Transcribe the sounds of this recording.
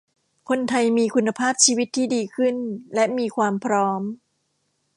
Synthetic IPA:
kʰo˧nt̪ʰa˧jmiː˧kʰu˧nːa˧pʰaː˥˩p̚t͡ɕʰiː˧wi˦˥t̪ʰːiː˥˩diː˧kʰɯ˥˩nlɛ˦˥ʔmiː˧kʰwaː˧mpʰɾɔː˦˥m

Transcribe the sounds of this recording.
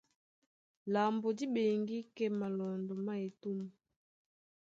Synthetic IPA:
la˨mbo˨di˦be˨ŋɡi˦kɛ˦ma˨lɔ˨ndɔ˨ma˦e˨tu˦mu˨

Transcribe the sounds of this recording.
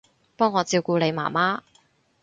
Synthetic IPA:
pɔː˥ŋːɔː˨˧t͡siː˧wkuː˧le˨˧jma̰ː˨˩maː˥

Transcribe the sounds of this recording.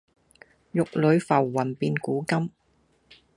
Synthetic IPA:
jʊ˨k̚lɵ˨˧ɥfɐ˨˩wːɐ˨˩npiː˧nkuː˨˥kɐ˥m

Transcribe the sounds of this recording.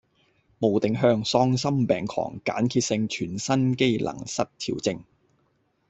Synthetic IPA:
mo˨˩wt̪ɪ˨ŋɦœː˧ŋsɔː˧ŋsɐ˥mpɛ̰ː˨˩ŋkʰɔ̰ː˨˩ŋka̰ː˨˥nkʰiː˧t̚sɪ˧ŋt͡ʃʰyː˨˩nsɐ˥nke˥jlʔɐ̰˨˩ŋsɐ˥t̚t̪ʰḭː˨˩wt͡sɪ˧ŋ

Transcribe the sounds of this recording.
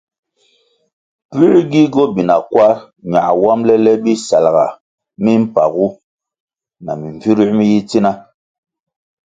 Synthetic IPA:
pi˦ɾi˦ɡi˦ɡɔ˦bi˨na˨kwa˦ | ɲa˨wa˦mlɛ˦lɛ˦bi˦sa˨lɣa̰˨ | mi˦m̩˦pa̰˨ɣu˦ | na̰˨mi˨ɱvi˦ɾi˦mi˦ji˦t͡si˦na˦

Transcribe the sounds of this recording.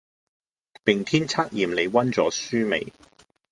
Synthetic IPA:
pɪ˨ŋt̪ʰiː˥nt͡sʰaː˥k̚jiː˨˩mle˨˧jwɐ˥nt͡sɔː˨˥syː˥mḛ˨˩j

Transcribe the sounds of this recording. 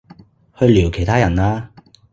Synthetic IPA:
hɵ˧ɥliː˨˩wkʰe˨˩jt̪ʰaː˥jɐ˨˩naː˧

